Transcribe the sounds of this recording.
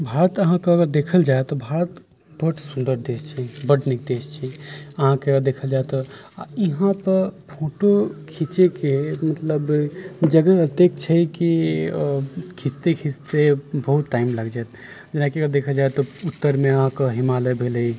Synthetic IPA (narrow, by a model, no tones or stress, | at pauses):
bʱaːɾət̪əɦãkeəɡəɾd̪eːkʰəld͡ʒaːet̪ɔbʱaːɾət̪ | bəʈsũnd̪əɾd̪eːst͡ʃʰibəʈnik̚d̪eːst͡ʃʰiəɦãkeəɡəɾd̪eːkʰəld͡ʒaːet̪ɔ | iɦãpəɾpʰoːʈokʰit͡ʃekemət̪ləbd͡ʒəɡəɦət̪ek̚t͡ʃʰɛki | kʰist̪ekʰist̪ebəɦut̪ːaːimləɡd͡ʒaːt̪ | d͡ʒənakiəɡəɾd̪ekʰəld͡ʒaːet̪ɔut̪ːəɾmẽəɦãkoɦimalebʱeləi